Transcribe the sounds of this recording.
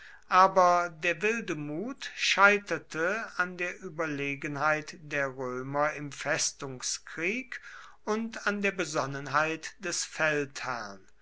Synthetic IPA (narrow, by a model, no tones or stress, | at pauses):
ʔaːbɐdeːɐvɪldəmuːtʃaɪtɐtʰəandeːɐʔyːbɐleːɡənɦaɪtd̥eːɐʁøːmɐɪmfɛstʊŋskʁ̥iːk | ʊntandeːɐbəzɔnənɦaɪtd̥ɛsfɛlthæ̰ʁɐn